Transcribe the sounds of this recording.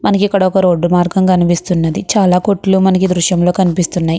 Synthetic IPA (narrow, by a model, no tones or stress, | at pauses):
mɐnɐkikːɐɽɐɔkɐɾo̞ːɖːumaːɾɡɐmkɐnipist̪unːɐd̪it͡ʃaːlaːkoʈːluːmɐnɐkid̪ɾuʃjɐmlo̞ːkɐnipist̪unːaːji